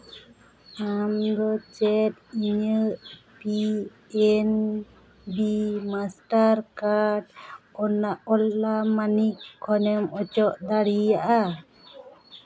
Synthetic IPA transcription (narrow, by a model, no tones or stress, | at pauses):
amd̪ɔt͡ʃɛt̪̚iɲə | pi | ɛn | bimasʈaɾkaɖ̚ɔnaʔɔlːamanikʰːɔnɛmɔt͡ʃɔʔd̪aɽijaʔa